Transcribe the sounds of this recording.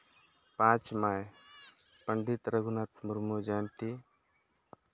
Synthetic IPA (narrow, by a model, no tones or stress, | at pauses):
pãːt͡ʃmaj | pəɳɖit̪ɾəɡunat̪muɾmod͡ʒaːnt̪i